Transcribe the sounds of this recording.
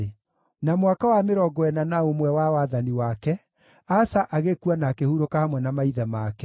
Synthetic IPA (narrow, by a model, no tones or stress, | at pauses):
namowakawameɾɔɡɔɛnanaomwɛwawaðaniwakɛ | asaʔaɣekuanakehuɾokahamwɛnamaiðɛmakɛ